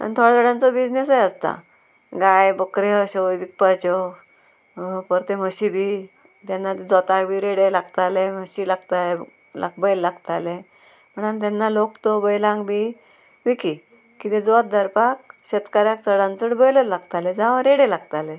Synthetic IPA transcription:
a̰nt̪ʰoɽd͡zəɽãnt͡sɔbid͡ʑnesajəst̪a̰ | ɡajbəkɾeəɕɔʋik̚pət͡ɕɔ | pəɾt̪eməɕibʱiː | t̪janːat̪d͡zɔt̪akbiːɾeɽelaɡt̪aleməɕilaɡt̪ale | la̰k̚bəjlːaɡt̪ale | m̤əɳant̪̬anːalokt̪ɔbəjlãŋɡbi | ʋiki | kit̪ẽd͡zɔt̪̚d̪əɾpak̚ɕet̪kaɾjakt͡səɽãnt͡səɽbəjlətlaɡt̪alɛd͡zãʋɾeɽelaɡt̪alɛ

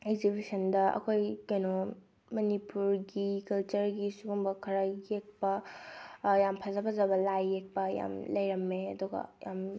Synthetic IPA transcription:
eɡ̚zibisɐndɐʔɐ̰kʰojkano | mɐnipuɾɡikɐlt͡ʃɐɾɡisuɡuŋbɐkʰɐɾaɡek̚pɐ | jampʰɐzɐpʰɐzɐbɐlajːek̚pɐja̰mlɐjɾɐmːeɐduɡɐ̰ja̰m

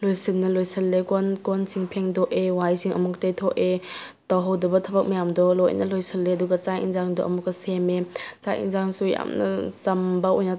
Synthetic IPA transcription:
lojsinːɐlojsɐlːekɔnkɔnsiŋpʰeŋdɔʔewajsiŋʔɐ̰muk̚tejtʰɔʔe | tɔwɦɐwdɐbɐtʰɐbɐk̚mɐjamdɔlɔjnɐlojsɐlːeɐduɡɐt͡ʃajʔḭnzaŋdɔʔɐmukːɐsemet͡ʃa̰jʔḭnzaŋsuja̰mnɐ̰sɐmbaojna

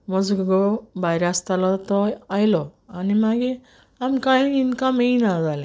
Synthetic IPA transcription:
mɔzɡɡɔbajɾast̪alɔt̪ɔajlɔanimaɡe | amkajinkamejnaɡali

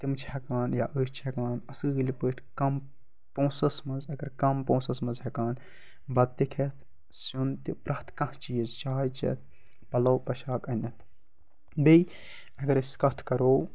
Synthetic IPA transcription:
t̪imt͡ʃʰhɐkaːnjaʔəːst͡ʃʰhekaːnɐsɨːɨlʲipəːʈʰkɐm | põːsɐsmɐnzɐɡɐɾkɐmpõːsɐsmɐzɦɐkaːn | bɐd̪̚t̪ikʰɐt̪ʰ | sjunt̪ipɾʔɐht̪ʰkɐ̃ht͡ʃiːɐzt͡ʃaːjt͡ʃɐ̰t̪̚ʰ | pɐlɐwpɐʃaːkɐnʲɐt̪ʰ | bij | ɐɡɐɾɐsʲkɐt̪ʰkɐɾoːw

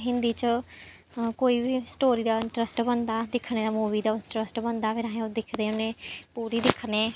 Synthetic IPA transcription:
ɦɪ̃nd̪iːt͡ʃə | koːiːbiːsʈoːɾiːd̪aːɪ̃ɳʈɾəsʈbənd̪aːd̪ɪkʰɽ̃eːd̪aːmuːʋiːd̪aːʈɾəsʈbənd̪aːpʰɪɾaːɦẽːod̪ɪkʰd̪eːʊneːpuːɾiːd̪ɪkʰneː

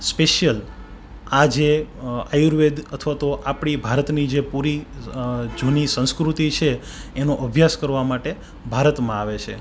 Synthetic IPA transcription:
speʃjəl | ad͡ʒeajuɾʋed̪ət̪ʰʋat̪oʔapɽ̃ibʱaɾət̪nid͡ʒepuɾi | d͡ʒonisə̃nskɾut̪it͡ʃʰeːnoʔəbʱjaskəɾʋamaʈe | bʱaɾət̪mãaʋet͡ʃʰe

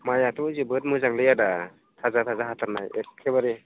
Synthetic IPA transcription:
majatʰuzɯbɯt̚mɯzaŋlɯjada | tʰazatʰazaɦatʰaɾnajekʰebaɾi

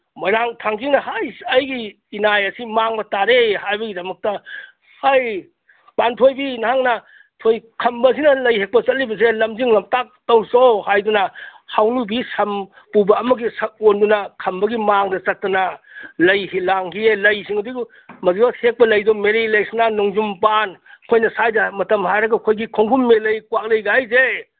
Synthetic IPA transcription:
maɾaŋtʰaŋɡʰinɐhajɐjɡiː | najɐsimaŋbɐtaɾeɦajbɐɡidɐmɐk̚tɐ | haj | pantʰojbinɐhaŋnɐ | tʰojkʰɐmbɐs̬inɐlɐjhek̚pɐt͡ʃɐt̚libɐselɐmziŋlɐmtak̚tɐwsohajdunɐhawnubisɐm | pubɐɐmɐɡisɐk̚ondunɐkʰɐmbɐɡimaŋdɐt͡ʃɐt̚tːɐnɐlɐjhilaŋhʰielɐjsiŋɐduɡ | mɐzibɐhek̚pɐlɐjdɔmeɾilɐjsinanuŋzumpankʰojnɐsajdamɐtɐmɦajɾɐɡɐkʰojɡikʰoŋkʰumːelɐjkwak̚lɐjɡaajze

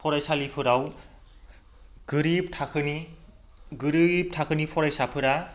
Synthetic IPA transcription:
pʰɔɾajsalipʰɯɾaw | ɡ̥ɯɾib̚tʰakʰɯni | ɡɯɾib̚tʰakʰɯnipʰɔɾajsapʰɯɾa

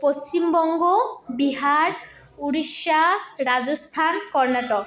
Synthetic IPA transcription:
post͡ɕimbɔŋɡɔbiɦaɹ | uɹiʃaɹazɔst̪ʰankɔɹnatɔ

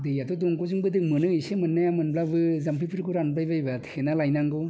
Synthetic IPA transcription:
dɯjatoduŋkozɯŋbɯdɯk̚mɯnɯŋisemɯnːajamɯnblabɯzampʰipʰɯɾkuɾanblajbajbatʰenalajnaŋɡo

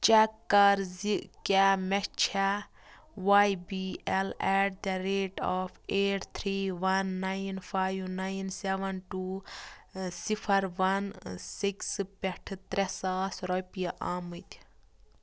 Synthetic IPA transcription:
t͡ʃɛkːɐɾziʔkɛmɛkt͡ʃʰa | ʋajbiɛlɛʈ̚d̪ɐɾeːʈɔːfʰeːʈʰt̪ʰɾiːʋɐnːajnfʰaːjʋnajnseʋɐnʈuː | sipʰɐɾʋɐnsikspɛʈʰɨt̪ɾɛsaːsɾɔpijɐʔaːmɨt̪ʲ

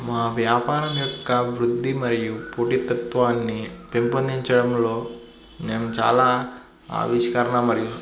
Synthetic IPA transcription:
maːʋjaːpaːɾɐmjɔkːɐʋɾud̪ʱːimɐɾijupoːʈit̪ɐt̪ʋaːnːipempond̪iɲt͡ʃɐɽɐmlo̞ː | neːnɐmt͡ʃa̰ːlaː | a̰ːʋiʃkɐɾɐɳɐmɐɾiju

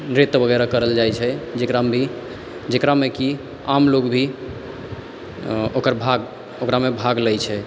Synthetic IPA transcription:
nɾet̪bʱəɡɛɾakəɾəld͡ʒajt͡ʃʰɛd͡ʒekɾamʱi | d͡ʒekɾameki | amlokbʱi | okəɾbʱaɡ | okɾamebʱaɡləjt͡ʃʰɛ

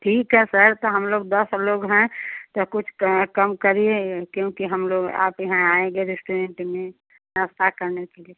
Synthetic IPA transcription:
ʈʰiːkɦɛsəɾt̪oɦəmloːɡd̪əsloːɡɦɛ̃t̪okʊt͡ʃʰkəmkəɾiekjõkiɦəmloːɡa̰ːpjɐɦãaːẽɡeɾesʈuɾẽɳʈmẽ | ɾəst̪ʰakəɾnekelie

